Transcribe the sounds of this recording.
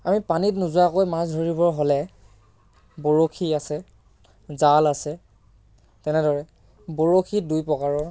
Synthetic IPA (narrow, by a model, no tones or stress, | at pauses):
amipanit̬nʊzʊakojmasdʱoɹibɔɹɦɔlɛ | boɹokʰiasɛ | zalasɛ | tɛnɛdɔɹɛ | boɹokʰidujpɔkaɹɔɹ